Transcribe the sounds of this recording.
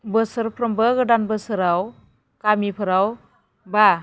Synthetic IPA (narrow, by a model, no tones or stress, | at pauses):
bɯsɯɾpʰɾɔmbɯɡɯdanbɯsɯɾaw | kamipʰɯɾaw | ba